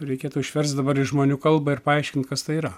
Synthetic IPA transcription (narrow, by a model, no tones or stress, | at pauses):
ɾʲɛɪkʲeːt̪ʊɪʃʲʋʲɛɾst̪d̪ɐbɐɾɪʃʒmoːnʲuːkɐlˠbɐɪɾpɐɐɪʃʲkʲɪnt̪kɐst̪ɐɪiːɾɐ